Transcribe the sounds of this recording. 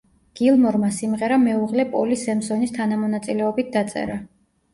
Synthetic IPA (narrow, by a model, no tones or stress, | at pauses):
ɡ̥ilˠmɔɾmasimʁɛɾamɛuʁlɛpʼɔlisɛmsɔnist̪ʰanamɔnat̪sʼilɛɔbit̪̚ʰd̪at̪sʼɛ̰ɾa